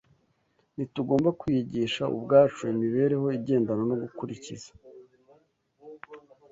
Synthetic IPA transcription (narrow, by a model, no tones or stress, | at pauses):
nituɡo̞ːmbakwijiɟiʃaṵbɡaːt͡ʃuimiβe̞ːɾe̞ho̞iɟe̞ːndano̞no̞ɡukuɾicḭz̥ḁ